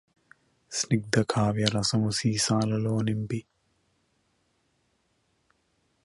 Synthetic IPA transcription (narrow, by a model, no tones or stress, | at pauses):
sniɡ̚d̪ɐkʰaːʋijɐɾɐsɐmusiːsaːlɐloːnimpi